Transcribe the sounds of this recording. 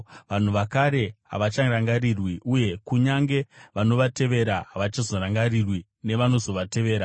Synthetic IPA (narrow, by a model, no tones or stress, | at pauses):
ʋan̤uʋakaɾe̞ɦa̰ʋat͡ʃaraŋɡaɾirwiʔuje̞kuɲaŋɡe̞ʋano̞ʋate̞ʋe̞ɾaɦaʋat͡ʃazoɾaŋɡarirwi | ne̞ʋano̞zo̞ʋate̞ʋe̞ːɾa